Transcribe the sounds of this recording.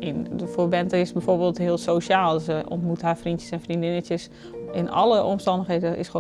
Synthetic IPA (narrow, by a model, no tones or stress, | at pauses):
ɪndəfoːbɛntəɪsbɛfoːɹbeːlˠthɪəlˠsoːʃaːlˠsəʔɔ̰ntmutɦafrintjəsɛnfrindɪnətjəs | ɪnʔɑ̰ləʔɔmstɑndəxɦedəʔɪ̰sxo